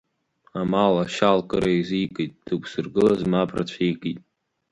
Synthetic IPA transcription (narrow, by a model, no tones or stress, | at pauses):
amalaʃalˠkɨɾejziːɡɨt̪̚tʰɨksɨrɡɨlˠazmapʰʼra̰t͡sʷʰiːɡit̪̚ʼ